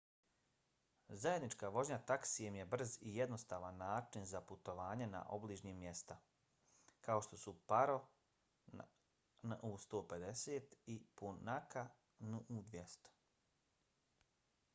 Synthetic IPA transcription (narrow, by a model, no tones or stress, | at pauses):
zaje̞d̪nit͡ʃkaʋo̞d͡ʑɲat̪aksijemje̞br̩zijed̪no̞st̪aːʋanːaːt͡ʃinzaput̪o̞ʋaːɲena̰ʔobliːʒɲiːmːje̞st̪a | kao̞ʃt̪o̞supaɾo̞ | nʔust̪oːped̪e̞seːt̪ipunaka | nuud̪ʋjest̪o̥